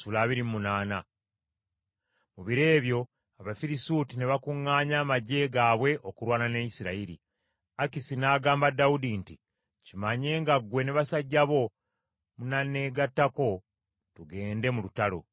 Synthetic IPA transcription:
sulaːβiɾimmunaːna | muβiɾe̞ːβjo̞ | aβafiɾisuːtineβakuŋːaːɲaːmaɟe̞ːɡaːβwe̞ʔo̞kuɾwaːnanejisiɾaiɾḭ | akisinaːɡaːmbadːaudinti | cimaɲe̞ːŋɡaɡwe̞neβasaɟːaβo̞ | munane̞ɡatːako̞ | tuɡe̞ːnde̞mulutalo̞̰

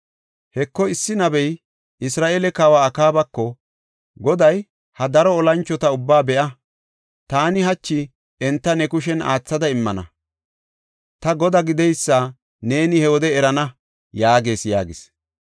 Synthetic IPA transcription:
hɛkːɔɪsːɪnɐbɛj | ɪsɾaːʔeːlɛkaːwaːkaːbɐkːɔ | ɡɔd̪ɐj | hɐd̪ɐɾɔːlɐnt͡ʃːɔt̪ɐʊbːaːbɛʔɐ | t̪aːnɪɦɐt͡ʃːɪ | ɛnt̪ːɐnɛkʊʃɛna̰ːt͡sːɐd̪ɐɪmːɐnɐ̰ | t̪ɐɡɔd̪ɐɡɪd̪ɛjsːa | ne̞ːnɪhɛwɔd̪ɛɛɾɐnɐ | jaːɡe̞ːsja̰ːɡɪs

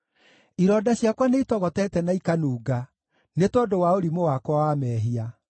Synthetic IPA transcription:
iɾɔdaɕjakwaneitɔɣɔtɛtɛnaikanuːɡa | netɔdowaoɾimowakwawamɛːɦia

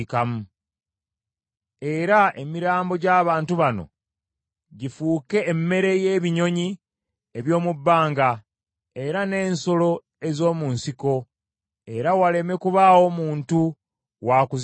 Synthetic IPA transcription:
kamu | e̞ɾaemiɾaːmbo̞ɟaːβaːntuβano̞̰ | ɟifuːke̞ːmːe̞ɾe̞jeβiɲo̞ɲi | eβjo̞ːmubːaːŋɡa | e̞ɾane̞ːnso̞lo̞ | ezo̞ːmunsiko̞ | e̞ɾawale̞me̞kuβawo̞muːntu | wakuz

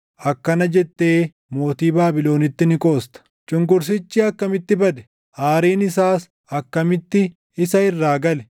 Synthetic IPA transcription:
ʔɐkːɐnɐd͡ʒɛt̪ːe̞ː | mo̞ːt̪iːbaːbɪlo̞ːnɪt̪ːɪnɪkʼo̞ːst̪ɐ̥ | t͡ʃʼʊŋkʼʊɾs̬ɪt͡ʃːiɐkːɐmɪt̪ːɪbɐd̪ɛ̥ | ʔaːɾiːnɪsaːs | ɐkːɐmɪt̪ːɪ | ɪsɐɪrːaːɡɐlɛ

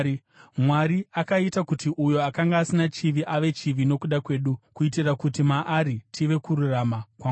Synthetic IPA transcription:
mwaɾiakaitakutiʔujo̞akaŋɡaːsinat͡ʃiʋiʔaʋe̞t͡ʃiʋino̞kuɗakwe̞ːɗukuitirakutimaʔaɾitʰiʋe̞kuɾuramakwa

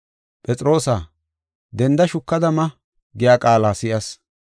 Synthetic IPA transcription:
pʼɛt͡sʼɾo̞ːsaː | d̪ɛnd̪ɐʃʊkːɐd̪ɐmɐ | ɡɪjaːkʼaːlaːsɪjɐs

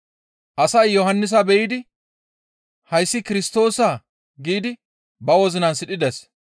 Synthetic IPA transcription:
ʔɐsɐjːɔhɐnːɪs̬abɛjɪːd̪ɪ | hɐjsːɪkɪɾɪst̪o̞ːsaː | ɡiːd̪ɪ | bɐwɔzɪnɐnsɪɗɪd̪ɛs

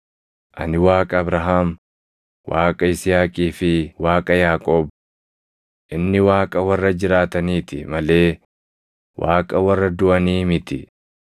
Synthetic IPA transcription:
ʔɐ̰nɪwaːkʼɐːbɾɐɦaːm | waːkʼɐɪsɪjaːkʼiːfɪwaːkʼɐjaːkʼo̞ːb | ʔɪnːɪwaːkʼɐwɐrːɐd͡ʒɪɾaːt̪ɐniːt̪ɪmɐle̞ː | waːkʼɐwɐrːɐd̪ʊʔɐniːmɪt̪ɪ

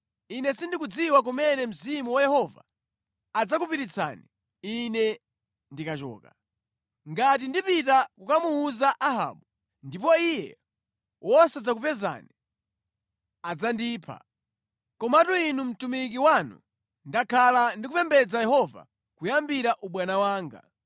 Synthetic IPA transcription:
inɛsindik̬ud͡ziwak̬umɛnɛm̩zimuwajɛhɔva̰ː | d͡zak̬upiɾit͡sʰa̰ni | inɛ | ndikat͡ʃɔ̰ːka | ŋɡat̬indipitakukamuːzaʔaɦa̰ːɓu | ndipɔijɛ̰ | wʔɔsad͡zakupɛza̰ni | ad͡zandiːpʰa̰ | kɔmatuinum̩tumik̬iwanṵ | ndakʰalandikupɛmbɛd͡zajɛhɔva̰ | kujambiɾaʔuɓwanawaːŋɡa̰

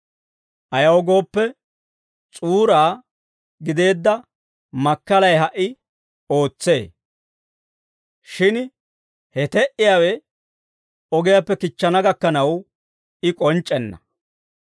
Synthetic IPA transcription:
ʔɐjɐwɔɡo̞ːpːɛ | t͡sʼuːɾaː | ɡɪd̪e̞ːd̪ːɐ | mɐkːɐlɐjɦɐʔɪ | o̞ːt͡sːe̞̰ː | ʃɪn | hɛt̪ɛʔɪjaːwɛ | ɔɡɪjapːɛkɪt͡ʃːɐnɐɡɐkːɐnɐw | ɪkʼɔnt͡ʃʼːɛnːɐ̰

